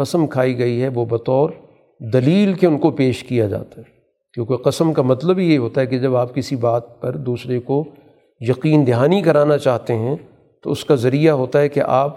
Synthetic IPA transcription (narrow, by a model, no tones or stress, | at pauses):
ɐsəmkʰaːiɡɐiɦɛʋobɐt̪ɔːɾ | d̪ɐliːlkeʊnkopeːʃkijad͡ʒa̰ːt̪aɦɛ | kjõːkeqɐsəmkamɐt̪ləbɦijeiɦoːt̪aɦɛked͡ʒɐbaːp̚kɪsibaːt̪̚pɐɾd̪uːsɾeko | jɐqiːnd̪ɪɦaːnikɐɾaːnat͡ʃaːɦt̪eɦɛ̃ | t̪oʊskazɐɾijaɦoːt̪aɦɛkḛʔaːp